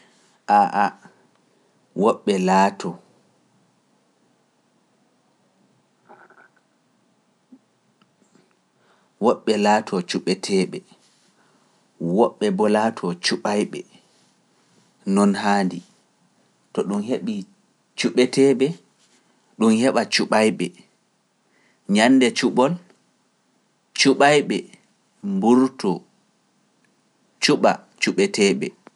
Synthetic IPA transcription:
ʔaʔa | wɔɓːɛlatʰɔ | wɔɓːɛlaːtʰɔt͡ʃuɓɛtʰɛːɓɛ | wɔɓːɛbɔlaːtʰɔt͡ʃuɓajɓɛ | nɔnhaːndi | tɔɗumheɓi | t͡ʃuɓɛtʰɛɓɛ | ɗumhɛɓat͡ʃuɓajɓɛ | ɲanːdɛt͡ʃuɓɔl | t͡ʃuɓajɓɛ | mbuɾtɔ | t͡ʃuɓa | t͡ʃuɓɛtɛɓɛ̰

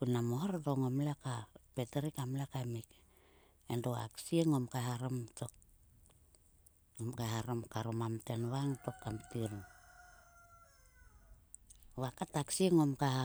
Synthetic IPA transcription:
kunamohoɾdoŋomlakapeteɾikamlakamik | endoa̰ksieŋo̞mkaɦaɾomtok | omkahaɾomkaɾomamtenwaŋto̞kːamtiɾ | βakataksieŋo̞mkaha

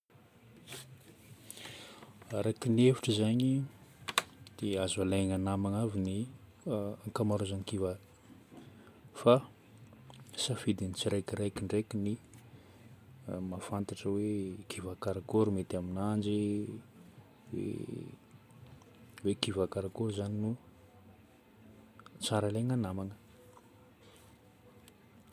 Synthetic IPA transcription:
aɾakinefi̥ʈ͡ʂəzaɲi | d̪̥eazualaŋanamaŋavini | aŋkamaɾuzanikiva | fa | safid̪init͡siɾajkiɾajkiɳɖ͡ʐekini | mafant̪aʈ͡ʂəwekʰivakaɾakoɾumet̪aminand͡ʒi | wḛ | vekivakaɾakoɾzaninu | t͡saɾalaŋanamaŋə̥

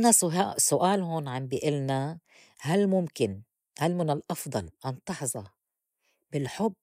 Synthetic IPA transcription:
nasʊɦasʊʔaːlɦoːnʕambiʔɪlna | halmʊmkɪn | halmɪnɪlʔɑfd̪ˤɑlʔɑnt̪ˤɑħzˤɑ | b̥ɪlħʊbː

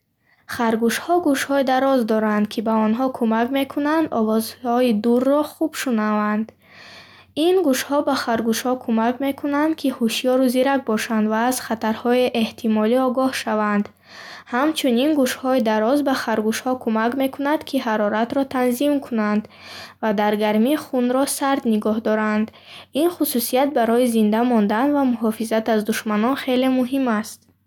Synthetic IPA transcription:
χaɾɡuʃhɔɡuʃhɔid̪aɾɔzd̪ɔɾand̪kʰibaɔnɦɔkʰumakme̞kʰunand̪ɔvɔzhɔid̪urːɔχub̥ʃunavand̪ | inɡuʃhɔbaχaɾɡuʃhɔkʰumakme̞kʰunand̪kʰihuʃijɔɾuziɾak̚bɔʃand̪vaːz̥χat̪aɾhɔeʔeht̪ʰimɔliɔɡɔhʃavand̪ | hamt͡ʃʰuninɡuʃhɔid̪aɾɔzbaχaɾɡuʃhɔkʰumakme̞kʰunad̪kʰiɦaɾɔɾat̪ɾɔt̪ʰanzimkʰunand̪ | vad̪aɾɡaɾmiχunɾɔsaɾd̪niɡɔɦd̪ɔɾand̪inχususijat̪̚baɾɔizind̪amɔnd̪anvamuɦɔfizat̪azd̪uʃmanɔnχe̞le̞muɦimast̪̚

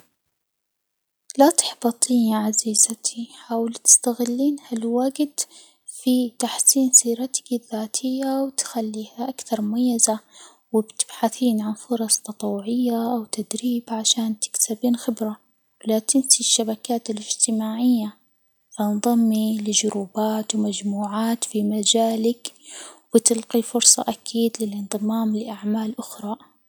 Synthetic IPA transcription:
lat̪ɪ̥ħbɑt̪ˤʰiːniʕaziːzat̪ʰiħaːwɪlt̪ɪ̥st̪aɣɪlːiːnhalwaːɡɪd̪ | fit̪aħsiːnsiːɾat̪ɪ̥kɪðːaːt̪ʰɪjːawɪt̪xalːiːhaʔakθɑɾˤmʊmajːaza | wɪbt̪ɪ̥b̥ħaθiːnʕanfʊɾˤɑsˤt̪ɑt̪ˤwːʊʕɪjːaʔawt̪ad̪ɾiːbʕaʃaːnt̪ɪ̥k̪sabiːnxɪbɾa | wɪlat̪ɪmsiʃːabakaːt̪alɪd͡ʒt̪ɪmaːʕɪjːa | fanðˤɑmːilɪʒʊɾuːbaːt̪wmad͡ʒmuːʕaːt̪fimad͡ʒaːlakwɪt̪ɪlqifʊɾsˤɑ̰ʔakʰiːd̪lɪlɪnðˤɨmaːmlɪʔaʕmaːlʔʊxɾˤɑː

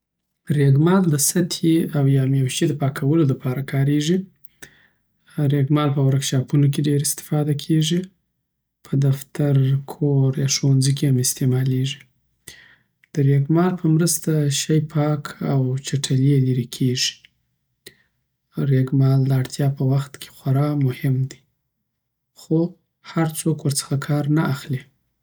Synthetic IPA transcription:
ɾeɡmɑld̪əsat̪ʰeawjɑmjawʃed̪əpɑkʰawəlolapʰɑɾakʰɑɾeʐi | ɾeɡmɑlpəwaɾakʃɑpunok̬eɖeɾɪst̪ɪ̥fɑd̪akʰeʐi | pʰəd̪aft̪aɾkʰoɾjɑʂowanzijkehamɪst̪emɑleʐi | d̪̥əɾeɡmɑlpʰəmɾəst̪aʃajpʰɑkʰawt͡ʃaʈʰaleliɾekʰeʐi̥ | ɾeɡmɑld̪əaɽt̪ʰjɑpəwaxt̪kʰe̥xaɾɑmʊhɪmd̪i̥ | xo | haɾt͡sokwəɾt͡sə̥xakʰɑɾnaaxle

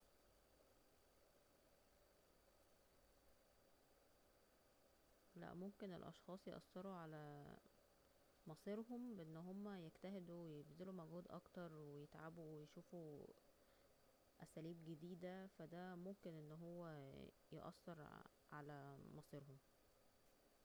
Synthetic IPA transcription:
læ̰ʔmomkenḛlʔɑ̰ʃxɑːsˤjeʔɑ̰sːeɾˤuʕalæ | mɑsˤiɾhombeʔenːɦomːæjeɡt̪æɦed̪uwejebzelumæɡhuːd̪ʔɑ̰kt̪ɑɾˤwejet̪ʕabuwejʃuːfu | ʔæsæːliːbɡed̪iːd̪æfæd̪æmomkenʔenːɦowːæ | jeʔɑ̰sːɑɾˤ | ʕa̰læmɑsˤiːɾhom

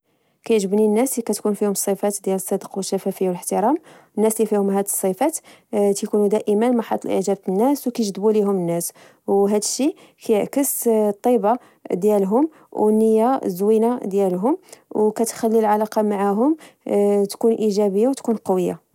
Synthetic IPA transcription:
kæjʕʒəbninːæslikæt̪kunfihʊmsˤːifæt̪d̪jæləsˤːɑd̪əqwəʃːæfæfəjːawələħt̪əɾˤɑmnːæslifihʊmɦæd̪əsˤːifæt̪ | t̪jkunud̪æʔəmənmɑħɑ̰t̪ˤːɑlʔə̰ʕʒæb̚tənːæswkæjʒd̪buliɦʊmənːæs | wɦæd̪əʃːi | kæjəʕkəst̪ˤːibɑ | d̪jælɦʊm | wnəjːazwinad̪jælɦʊmwkæt̪xælːilʕalɑqɑmaʕaɦʊm | t̪kunʔiʒæbəjːawt̪kunqɑwəjːa̰

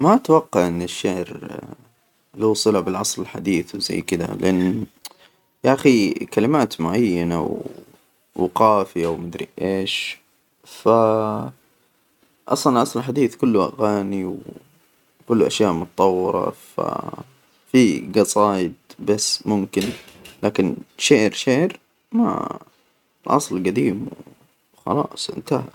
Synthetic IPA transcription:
maʔt̪wɑqːɑʕʔɪnːɪʃːaʕɾ | luːsˤɨlabɪlʕɑsˤlɪlħa̰d̪iːθwza̰jːkɪd̪a̰lɪʔanː | jaʔaxikalɪmaːt̪mʊʕajːana̰w | wqɑːfɪjawmad̪ɾḭʔeːʃ | fa | ʔɑ̰sˤɑnlʔɑsˤlħad̪iːθkʊlːʔa̰ɣaːniw | kʊlːʔa̰ʃjaːʔmʊt̪ɑt̪ˤɑwːɪɾɑ̰fa̰ | fiɡɑsˤɑːjɪd̪̚basːmʊmkɪnlaːkɪnʃaːɾʃeʔɾ | ma̰ | lʔɑ̰sˤlɡad̪iːmw | xɑ̰lɑːʔsˤʔɪ̰nt̪ah

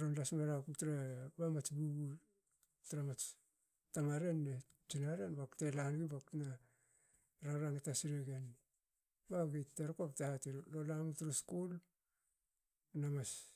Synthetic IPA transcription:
ɾonlasmaɾakutɾabamat͡ʃbuɡu | tɾamat͡ʃ | tamaɾenːe | t͡ʃinaɾenbaktelanɡibaktna | ɾaɾaŋatasiɾeɡen | baɡiteɾkoptaatiɾlolamutɾoskul | namas

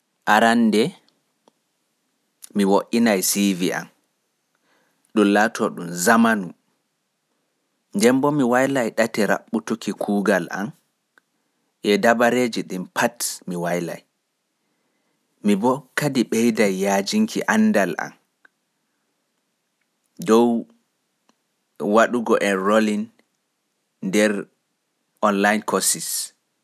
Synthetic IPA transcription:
ʔaɾandɛ | miwoʔinajsiviʔa̰n | ɗumlaːtʰɔɗumzamanu | ndɛmbɔmiwajlajɗatɛɾa̰ɓːutukikʰuːɡalʔa̰n | ʔɛdabaɾeːd͡ʒiɗimpʰatmiwajla̰j | mibɔkːadiɓɛjdajːaːd͡ʒiŋkiʔanːdalʔa̰n | dɔw | waɗuɡɔʔɛnɾolin | ndɛɾ | ɔnlajnkʰɔsis

